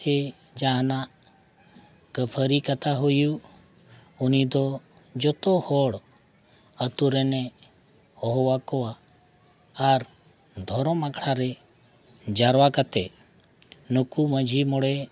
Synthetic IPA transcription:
ɛ | d͡ʒaɦnaʔ | kəpʰəɾikət̪aɦuju | unid̪ɔ | d͡ʒɔt̪ɔhɔɽ | ət̪uɾɛnɛ | hɔɦɔwakɔwaː | ɾ | d̪ʱɔɾɔmakɽaɾɛ | d͡ʒaɾwakət̪ɛ | nukuməd͡ʒʱimɔɽɛ

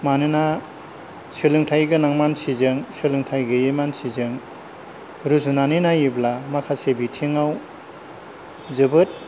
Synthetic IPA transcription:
manɯna | sɯlɯŋtʰajɡɯnaŋmansizɯŋsɯlɯŋtʰajɡɯjemansizɯŋ | ɾuzunaninajiblamakʰasebitʰiŋaw | zɯbɯt̚

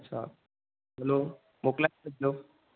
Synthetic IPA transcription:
tːɕʰa̰ | bʱəlo | moklaəd͡ʒo

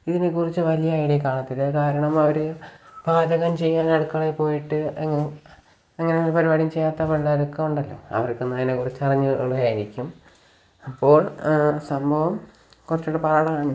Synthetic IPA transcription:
iðinekurit͡ɕːɨʋɐlijɐaːjiɽekaːɭɐt̪ːilekaːɾɐɳɐmɐʋɐɾubʱaːd̪ɐɣɐmt͡ɕe̞jːaːnɐɽukːɐɭepːo̞ːjiʈːɨɐŋːɐ | ɐŋːɐneolpɐɾibaːɽimt͡ɕe̞jːaːt̪ːɐpɐɖaːɾukːɐmuɳɖɐlːo̞̰ːɐ̰ʋɐrkːenːɐŋːinekurit͡ɕːɐrɐɲːuɭuɣaːjiɾikʲːum | ɐpːo̞ːɭsɐmbʱɐʋɐm | kurɐt͡ɕːuɽepɐɾɐɽɐmaːɳɨ

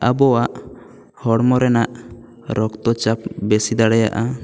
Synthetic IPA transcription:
abɔwaʔ | hɔɽmɔɾɛnaʔ | ɾɔkt̪ɔt͡ʃap̚bɛsid̪aɽɛja̰ʔa

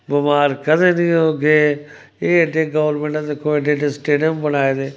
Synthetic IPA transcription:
bʊmaːɾkəd̪eːnĩːɦoːɡeː | eːeɖeːɡəʋəɾmẽːɳʈãd̪ekʰoːeːɖeːɖeːsʈeːɖijəmbənaːeːd̪eː

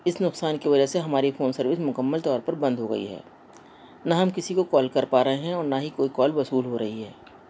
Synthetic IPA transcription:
ɪsnʊqsaːnkiʋɐd͡ʒəseɦɐmaːɾifʰoːnsɐɾʋɪsmʊkəmːəlt̪ɔːɾpɐɾbɐ̃nd̪ʱɦoɡɐ̰ḭɦɛ̰ː | naɦɐmkɪsikokɔːlkɐɾpaːɾɐɦeɦɛ̃ɔːɾnaɦikoːikɔːlbɐsuːlɦoɾɐɦiɦɛː

